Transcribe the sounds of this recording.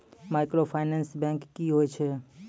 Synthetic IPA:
maɪkɾopʰanɛ̃nsbɛ̃ŋkːiɦoːjt͡ʃʰe

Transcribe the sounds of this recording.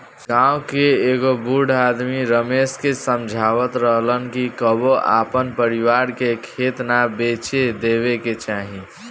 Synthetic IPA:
ɡãwkeeɡobuɖ̤ʱad̪miɾəmeskesəmd͡ʒʱaʋət̪ɾəɦlənkikəboʔa̰pənpəɾiwaɾkekʰet̪nabet͡ʃed̪eβeket͡ʃaɦĩ

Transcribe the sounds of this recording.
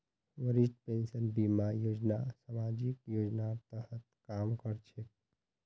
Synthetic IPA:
ʋəɾisʈpensənbimajod͡ʒnasamad͡ʒikjod͡ʒnat̪əɦət̪kamkəɾt͡ʃʰek

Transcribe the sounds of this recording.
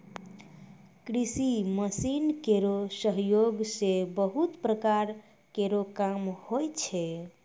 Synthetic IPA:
kɾisiməsinkeɾosəɦjoɡsebəɦut̪pɾəkaɾ | keɾokamhojt͡ʃʰe

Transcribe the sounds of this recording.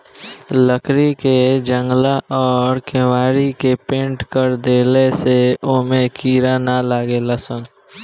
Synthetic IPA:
ləkʰɾiked͡ʒə̃ŋɡlaʔɔːɾkʰẽʋaːɾikepẽːɳʈkəɾd̪eːleseoːmẽkʰiːɾanalaːɡeːləsən

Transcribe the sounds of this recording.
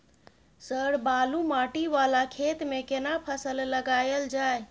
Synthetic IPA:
səɾbalumaʈiʋalakʰet̪mekenapʰəsəlləɡajəld͡ʒaj

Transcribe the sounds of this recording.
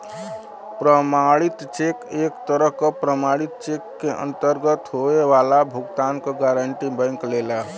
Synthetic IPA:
pɾəmaɽit̪t͡ʃekekt̪əɾəɦkəpɾəmaɽit̪̚t͡ʃekːeʔə̰nt̪əɾɡət̪ɦoeʋalabʱuɡt̪ankɔɡaɾəɳʈibə̃ɪŋklela

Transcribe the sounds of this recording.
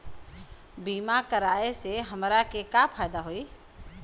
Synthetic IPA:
biːmakəɾaːeseɦəmɾakekapʰaːjd̪aɦoːiː

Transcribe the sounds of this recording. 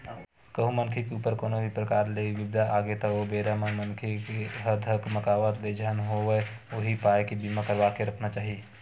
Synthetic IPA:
kəɦũmənkʰekeuːpəɾkoːnobʱipɾəkaːɾleiʋibd̪ʱaʔaɡet̪ɔobeɾaməmənkʰekeɦəd̪ʱəkməkaːʋət̪led͡ʒʱənɦoʋe | oɦipaekebimakəɾbakeɾəkʰnat͡ʃaːɦi

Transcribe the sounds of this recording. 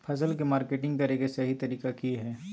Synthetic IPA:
pʰɐs̬əlkemaːɾkeːʈɪ̃ŋɡkɐɾeɡesɐɦit̪ɐɾiːkakiɦɛː

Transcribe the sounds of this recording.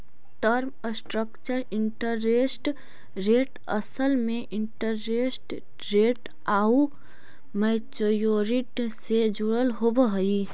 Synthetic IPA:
ʈəɾm | sʈɾəkt͡ʃəɾɪɳʈəɾesʈ | ɾeːʈ | əsəlmẽʔɪɳʈəɾːesʈ | ɾeːʈ | au | mɛːt͡ʃəjoɾiʈsed͡ʒuɽəlɦobəɦəi

